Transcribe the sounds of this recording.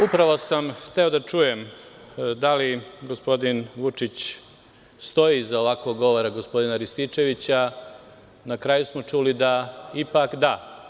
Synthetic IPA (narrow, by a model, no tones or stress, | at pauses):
upɾaʋo̞samxt̪e̞o̞d̪at͡ʃuje̞m | d̪aliɡo̞spo̞d̪inʋut͡ʃit͡ɕ | st̪o̞izaoʋakʋo̞ɡːo̞ʋo̞ɾaɡospo̞d̪inaɾist̪it͡ʃe̞ʋit͡ɕa | nakɾaːjusmo̞t͡ʃulid̪aipakd̪a